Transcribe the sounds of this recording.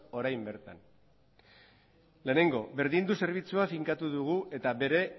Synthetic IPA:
o̞ɾajmbe̞ɾt̪an | le̞ːne̞ŋɡo̞βe̞ɾðind̪use̞ɾβ̞it͡suafiŋkat̪uðuɣ̞uʔe̞t̪aβe̞ɾe̞

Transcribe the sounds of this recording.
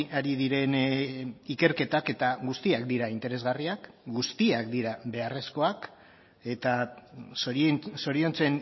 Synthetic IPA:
aɾiðiɾe̞n | ike̞ɾke̞t̪ake̞t̪aɣust̪iak̚d̪iɾaint̪e̞ɾe̞zɣariak | ɡust̪iakd̪iɾaβe̞are̞sko̞ak | e̞t̪a | so̞ɾio̞nt͡se̞n

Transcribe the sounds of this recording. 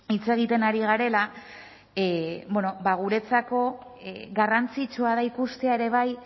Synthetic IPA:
it͡se̞ɣ̞it̪e̞naɾiɣ̞aɾe̞la | benobaɣ̞uɾe̞t͡sako̞ | ɡarant͡sit͡ʃuað̞aikust̪e̞ae̞ɾe̞β̞aj

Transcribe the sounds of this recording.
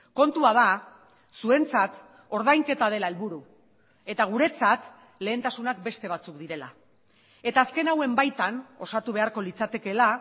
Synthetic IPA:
ko̞nt̪uaða | sue̞nt͡sat̪ | o̞ɾð̞ajŋke̞t̪að̞e̞lae̞lβuɾu | e̞t̪aɣ̞uɾe̞t͡sat̪ | le̞ːnt̪asunak̚be̞st̪e̞β̞at͡sukd̪iɾe̞la | e̞t̪aːske̞nawe̞mbajt̪ano̞sat̪uβ̞e̞aɾko̞lit͡sat̪e̞ke̞la

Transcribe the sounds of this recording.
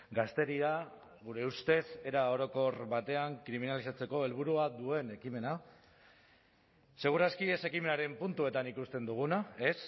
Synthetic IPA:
ɡast̪e̞ɾia | ɣuɾe̞ust̪e̞se̞ɾao̞ɾo̞ko̞ɾbat̪e̞aŋkɾiminalisat͡se̞ko̞e̞lβ̞uɾuad̪ue̞ne̞kime̞na | se̞ɣ̞uɾaskie̞se̞kime̞naɾe̞mpunt̪ue̞t̪anikust̪e̞nd̪uɣ̞unae̞s

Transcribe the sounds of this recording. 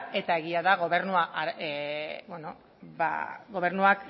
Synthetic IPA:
e̞t̪ae̞ɣiaðaɣ̞o̞βe̞ɾnuaʔ | bweno | ba̰ɣo̞β̞e̞ɾnuak

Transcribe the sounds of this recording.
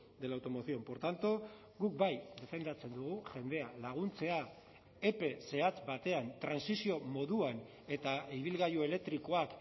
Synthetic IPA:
d̪e̞lawt̪omo̞θio̞mpo̞ɾt̪ant̪o̞ | ɡuk̚bajd̪e̞fe̞nd̪at͡se̞nd̪uɣuʝe̞nd̪e̞alaɣ̞unt͡se̞a | e̞pe̞se̞at͡sbat̪e̞ant̪ɾansisio̞mo̞ðuan | e̞t̪aiβ̞ilɣajuele̞k̚t̪ɾiko̞ak

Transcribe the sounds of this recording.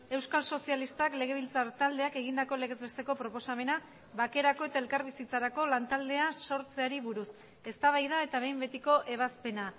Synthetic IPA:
e̞wskalso̞sialist̪akle̞ɣ̞e̞β̞ilt͡saɾt̪ald̪e̞ake̞ɣ̞ind̪ako̞le̞ɣe̞zβe̞st̪e̞ko̞pɾo̞po̞same̞na | βake̞ɾako̞e̞t̪ae̞lkaɾβ̞isit͡saɾako̞lant̪ald̪e̞aso̞ɾt͡se̞aɾiβuɾus | e̞st̪aβajðae̞t̪aβ̞e̞jmbe̞t̪iko̞ʔe̞β̞aspe̞na

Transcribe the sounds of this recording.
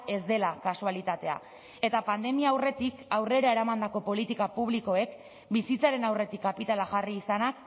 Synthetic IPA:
e̞zd̪e̞lakasualit̪at̪e̞a̰ | e̞t̪apand̪e̞miaːwre̞t̪ikawre̞ɾaeɾamand̪ako̞po̞lit̪ikapuβliko̞e̞k | bisit͡saɾe̞nawre̞t̪ikːapit̪alaxariːsanak

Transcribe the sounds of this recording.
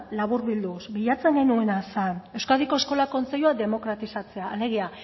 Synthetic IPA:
laβuɾβild̪usbiʎat͡se̞ŋɡenue̞nasane̞wskaðiko̞esko̞lako̞nt͡seʎuaðe̞mo̞kɾat̪isat͡se̞aːle̞ɣ̞ia

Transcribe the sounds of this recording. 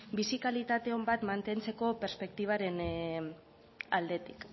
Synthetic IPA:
bisikalit̪at̪e̞o̞mbat̪mant̪e̞nt͡se̞ko̞pe̞ɾspe̞kt̪iβ̞aɾe̞n | ald̪e̞t̪i̥k

